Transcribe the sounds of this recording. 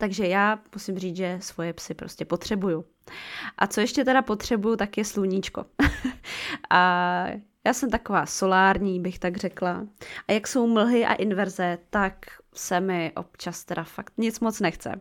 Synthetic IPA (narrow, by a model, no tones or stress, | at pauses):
t̪aɡʒɛjaːmusɪmriːt͡sʒɛsvo̞jɛpsɪpɾo̞scɛpo̞t̪r̝̥ɛbuju | ʔat͡so̞jɛʃcɛt̪ɛɾapo̞t̪r̝̥ɛbujut̪akjɛsluɲit͡ʃko̞̰ | ʔa | jaːsɛmt̪akovaːso̞laːɾɲiːbɪxt̪aɡr̝ɛklaʔajakso̞wml̩ɦɪʔa̰ʔɪnvɛɾzɛt̪ak | sɛmɪʔo̞̰pt͡ʃast̪ɛdafakt̪ɲɪt͡smo̞t͡snɛxt͡sɛ̰